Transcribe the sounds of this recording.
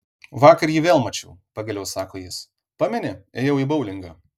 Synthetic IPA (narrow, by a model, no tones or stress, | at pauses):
ʋɑːkɐɾjiːʋʲeːlˠmɐt͡ʃʲɛʊpɐɡʲɐlʲɛʊsɑːkoːjɪs | pɑmʲɛnʲɪeːjɛʊiːbɐʊlʲɪŋɡɑː